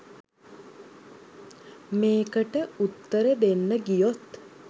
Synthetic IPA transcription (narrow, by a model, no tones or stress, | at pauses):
meːkəʈəut̪ːəɾəd̪enːəɡijot̪